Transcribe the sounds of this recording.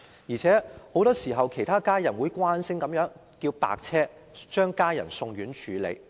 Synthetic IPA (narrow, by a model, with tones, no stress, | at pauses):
jiː˨˩t͡sʰɛː˨˥ho˨˥wt̪ɔː˥siː˨˩ɦɐ˨wkʰe˨˩jt̪ʰaː˥kaː˥jɐ˨˩nwu˨˥jkwaː˥nsɪ˥ŋkɐ˨˥mjœː˨˥ŋ | kiː˧wpa̰ː˧k̚t͡sʰɛː˥ | t͡ʃœː˥ŋkaː˥jɐ̰˨˩nsʊ˧ŋɥyː˨˥nt͡ʃʰyː˨˧lḛ˨˧j